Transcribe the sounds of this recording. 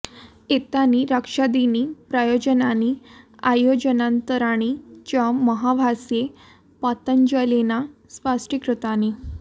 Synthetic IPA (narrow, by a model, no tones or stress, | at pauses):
et̪aniɾəkʂad̪inipɾajod͡ʑənaniajod͡ʑənãnt̪əɾaɽ̃it͡ɕaməɦaʋʱasje | pat̪əɲd͡ʑəlenaspasʈikɾut̪ani